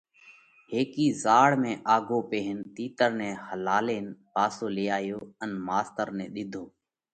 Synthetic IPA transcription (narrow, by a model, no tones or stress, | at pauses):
ɦeːkiːzaːɽmẽːʔaːɡʱoːpeːɦɪnt̪iːt̪əɾnẽːhəlaːleːnpaːsoːleːaːjoːənmaːst̪əɾnẽːɗ̪ɪd̪ʱoː